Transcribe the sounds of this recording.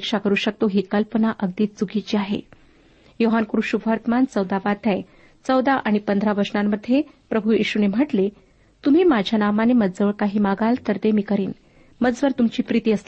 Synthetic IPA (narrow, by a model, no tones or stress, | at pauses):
kʂakəɾuːɕək̚t̪oɦikəlpənaʔəɡ̚d̪iːt̪̚t͡suɡʱit͡ɕiːaɦḛ | joɦankɾuɕubʱaɾt̪əmant͡səwd̪aʋat̪ʰaj | t͡səwd̪aʔaɽ̃ipənd̪ʱɾaʋəɾʂnamːəd̪ʱːje | pɾəbʱujiɕunem̤əʈle | t̪um̤iːmad͡ʑʱjanamaneməd̪d͡zəʋəɭkaɦiːmaɡalt̪əɾt̪emiːkəɾiːn | məd͡zʋəɾt̪umt͡ɕiːpɾit̪iːəsl